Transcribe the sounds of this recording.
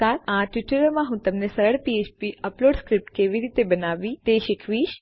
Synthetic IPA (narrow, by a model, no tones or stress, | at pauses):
aɾaʈʋiʈəɾomãɦũt̪əmnesəɾəɭpiet͡ʃpiʔəploɖskɾip̚ʈkeʋiɾit̪ebənaʋĩt̪eʃɪkʰʋiʃ